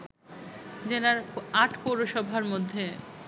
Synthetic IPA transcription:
d͡ʑenaɾaʈʰpoɾoʃɔbʱaɾmod̪ʱːe

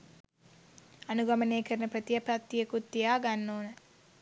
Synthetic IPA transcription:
anuɡɐməneːkəɾənəpɾət̪ijapɾat̪ːijəkut̪ːijaːɡanːoːnə

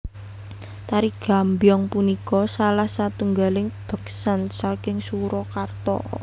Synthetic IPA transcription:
t̪aɾiɡ̥a̤mbjɔŋpunikɔsalahsat̪uŋɡalɪŋb̥ə̤ksansakɪŋsuɾɔkart̪ɔ̰

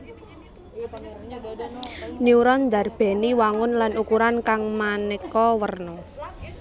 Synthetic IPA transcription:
niuɾɔnd̪a̤rb̥ɛ̤niwaŋʊnlanukuɾankaŋmanɛkɔwərnɔ

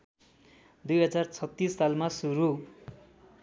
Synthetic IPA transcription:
d̪ujɦʌd͡zart͡sʰʌt̪ːisːalmasuɾu

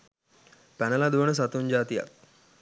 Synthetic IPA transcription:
pænəlad̪uʋənəs̬at̪uɲd͡ʒaːt̪ija̰k̚

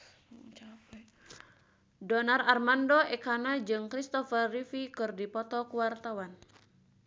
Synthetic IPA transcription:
t͡ʃapɛ | dɔnararmandɔɛkanad͡ʒɨŋkɾist̪ɔfərrifikɨrdipɔt̪ɔkuwart̪awan

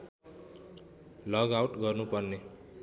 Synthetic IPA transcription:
lʌɡawʈɡʌrnupʌrne

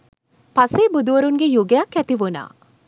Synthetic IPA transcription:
paseːbud̪uʋəɾunɡejuɡejakːæt̪iʋuna̰ː

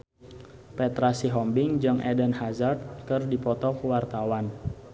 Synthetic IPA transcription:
pɛt̪ɾasiɦɔmbɪŋd͡ʒɨŋʔɛdənɦazard̪̚kɨrdipɔt̪ɔkwart̪awan

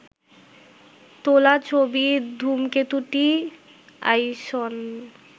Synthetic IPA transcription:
t̪olat͡ɕʰobid̪ʱumket̪uʈi | a̰jʃɔn

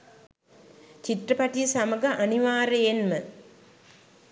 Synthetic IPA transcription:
t͡ʃitrəpaʈijəsaməɡəʔaniʋaːɾəjenmə

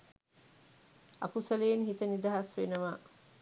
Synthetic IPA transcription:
ɐ̰kusɐleːnhit̪ɐnid̪ɐɦɐsʋenɐʋaː

